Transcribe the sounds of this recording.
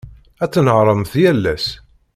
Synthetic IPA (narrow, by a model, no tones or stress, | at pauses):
æt͡sːnəʕɾˤəmθjælːæs